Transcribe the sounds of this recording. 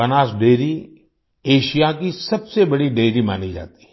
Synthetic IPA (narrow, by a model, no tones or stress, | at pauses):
ɐnaːsɖeːɾi | eːʃijakisɐbsebɐɽiɖeːɾima̰ːnid͡ʒa̰ːt̪i̥